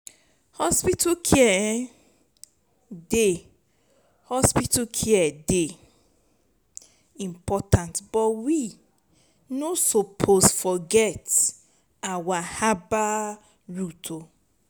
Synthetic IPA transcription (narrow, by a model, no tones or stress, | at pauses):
hɔspitakʰiɛ | de | hɔspitukʰiɛde | ĩmpʰɔtʰãntb̥ɔtwi | nosopʰosfɔɡɛt | awahaba | ɹutʰo